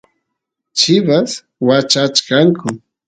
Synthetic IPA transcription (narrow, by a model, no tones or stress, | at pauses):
t͡ʃɪbas | wat͡ʃat͡ʃkaŋkʰʊ